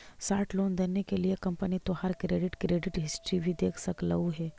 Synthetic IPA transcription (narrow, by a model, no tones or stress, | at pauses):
saːɾʈloːnd̪enːekeliekɐ̃mpənit̪ohəɾkɾeːɖɪʈkɾeːɖɪʈɦɪsʈɾibʱid̪eːkʰsɐkləuɦɛː